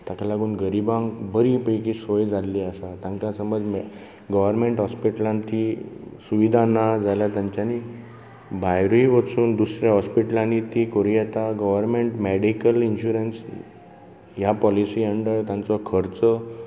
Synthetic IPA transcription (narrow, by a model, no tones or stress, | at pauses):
t̪akʰalaɡuːnɡəɾibãŋbəɾipəjkiːsəjd͡zʱalːiːəsat̪ãɲkãsəməd͡zm | ɡəʋəɾmeɳʈɦɔspiʈəlãnt̪ʰisuʋid̪ʱanad͡zʱaljat̪jãɲt͡ɕjani | bʱajɾuiʋət͡suːnd̪usɾjaɦɔspiʈəlãnit̪ikoɾijɛt̪aɡəʋəɾmeɳʈmeɽikəlinɕuɾəns | japɔlisiːəɳɖəɭt̪jãnt͡sɔkʰəɾt͡sə